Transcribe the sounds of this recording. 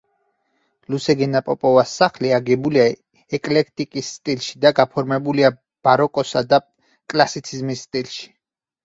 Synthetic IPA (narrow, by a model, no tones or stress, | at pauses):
lusɛɡɛnapʼɔpʼɔvasːaχliaɡɛbulia | ɛkʼlɛk̚ʰt̪ʼikʼisːt̪ʼilʃi̥d̪aɡapʰɔɾmɛbulia | b̥aɾɔkʼɔsad̪a | kʼlasit̪sʰizmisːt̪ʼilʃi̥